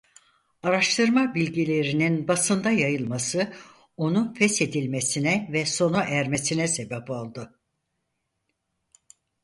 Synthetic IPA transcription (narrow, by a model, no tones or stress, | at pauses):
aɾaʃt̪ʰɯɾmabilʲɟilʲe̞ɾininbasɯnd̪ajajɯlˠmasɯ | o̞nufɛse̞d̪ilʲme̞sinɛvɛso̞naʔæɾme̞sinɛse̞bɛpolˠd̪ɯ